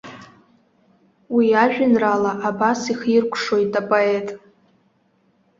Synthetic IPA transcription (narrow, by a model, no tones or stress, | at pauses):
wiaʒᶣʊnralaʔabasiχirkʷʰʂo̞jtʼapʼoe̞tʼ